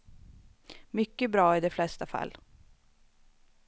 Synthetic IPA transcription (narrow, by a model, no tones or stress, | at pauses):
mʏkːəbɾɑːɪd̪ɛflɛst̪afa̰lː